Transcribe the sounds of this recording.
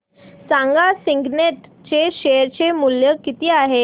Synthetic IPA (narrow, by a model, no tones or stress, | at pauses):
sãŋɡasiŋɡneʈ | t͡ɕeɕejəɾt͡ɕemuljəkit̪iːaɦe